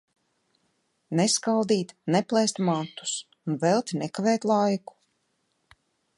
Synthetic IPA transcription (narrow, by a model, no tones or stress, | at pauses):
neskald̪iːt̪nɛplˠɛst̪mat̪ːu̥s | unvɛlˠt̪ʲnɛkavɛːt̪lˠajku̥